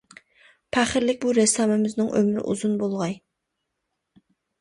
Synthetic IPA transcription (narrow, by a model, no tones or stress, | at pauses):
pʰæχɪɾlɪk̚ʲbuɾɛsɑːmɪmɪznɨŋʔø̰mɾɪ̰ʔṵzunbolˠʁɑj